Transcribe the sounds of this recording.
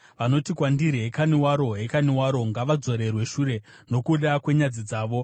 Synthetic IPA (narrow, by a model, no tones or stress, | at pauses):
ʋano̞tikwandiɾiɦekaniwaɾo̞ɦekaniwaɾo̞ŋɡaʋad͡zo̞ɾe̞rwe̞ʃure̞ | no̞kuɗakwe̞ɲad͡zid͡zaːʋo̞